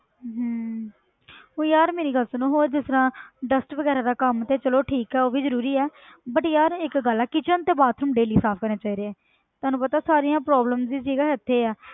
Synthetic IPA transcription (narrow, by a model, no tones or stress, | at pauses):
ɦəː | ɦõːjaːɾmeːɾiːɡəlsnũːɦoːd͡ʒɪst̪əɾãːɖəsʈʋəɡɛːɾaːd̪aːkəmt̪eːt͡ʃəloːʈʰiːkɛːoːʋiːzəɾuːɾiːɛːbəʈjaːɾɪkɡəlɛːkɪt͡ʃənt̪eːbaːt̪ʰɾəmɖeːliːsaːpʰkəɾneːt͡ʃaːiːɾeːɛː | t̪ʊaːnũːpət̪aːsaːɾiːãːpɾɔːbləmsd̪iːsiːɡaːɦɪt̪ʰːeːɛː